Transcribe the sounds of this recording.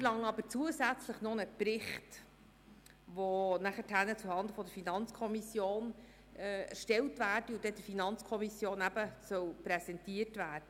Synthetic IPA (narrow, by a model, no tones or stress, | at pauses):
lɑŋɑbəɾt͡suəsæt͡sləχnonəpɾɪχt | ʋonæχəthænət͡suhɑnd̪əfɔdəɾfinɑnt͡skʰɔmisjoːnː | æ̰ɾʃtɛltvæːrdiud̥̪ɛd̥əfinɑnt͡skʰɔmisjoːnæbəsœwpɾɛsɛntiərtvæːrdə